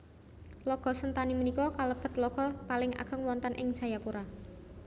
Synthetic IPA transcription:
lɔɡ̥ɔ̤sənt̪animənikɔkaləb̥ə̤t̪̚lɔɡ̥ɔ̤palɪŋa̰ɡ̥ə̤ŋwɔnt̪ənʔɪŋ̥ʒ̥a̤japuɾa

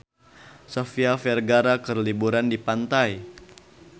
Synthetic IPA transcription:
sofiafɛrɡaɾakərlibuɾandipant̪aj

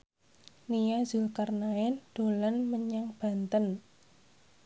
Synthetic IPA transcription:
nijazʊlkarnaɪnd̥o̤lanməɲaŋb̥a̤nt̪ən

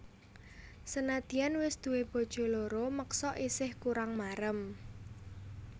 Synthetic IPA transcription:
sənad̪̥i̤anwɪsd̪̥ṳweb̥o̤d̥ʒ̥o̤loɾoməksɔʔisɪhkuɾaŋmaɾəm

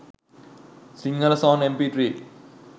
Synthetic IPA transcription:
siŋɡɐlɐsawnempiːʈɾiː

